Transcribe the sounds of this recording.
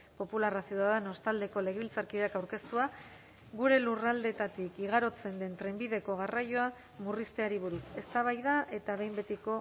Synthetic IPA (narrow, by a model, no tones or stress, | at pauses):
po̞pularasiuðaðeno̞st̪ald̪e̞ko̞le̞ɣeilt͡saɾkiðeakawɾke̞st̪ua | ɣuɾe̞lurald̪e̞t̪at̪ikiɣ̞aɾo̞t͡se̞nd̪e̞nt̪ɾe̞mbiðe̞ko̞ɣ̞arajo̞a | murist̪e̞aɾiβ̞uɾuse̞st̪aβ̞ajðaʔe̞t̪aβe̞jmbe̞t̪iko̞